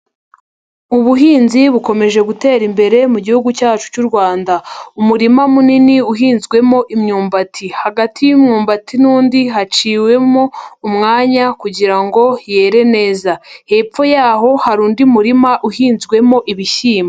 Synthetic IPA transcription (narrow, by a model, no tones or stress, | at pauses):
uβuɦiːnziβuko̞me̞ʒe̞ɡute̞ːɾimbe̞ɾe̞muɟihuɡucaːt͡ʃu̥cuɾɡwaːndaumuɾimamuniniuɦiːnzɡwe̞mo̞ʔimɲuːmbatʰihaɡatʰijumɲuːmbatʰinuːndiɦat͡ʃiːwe̞moumŋaːɲakuɟiɾaŋɡo̞jeːɾe̞ne̞ːzahe̞ːpp͡fo̞jaːɦo̞haɾuːndiumuɾimaʔuhiːnzɡwe̞mo̞ʔiβiʃiːma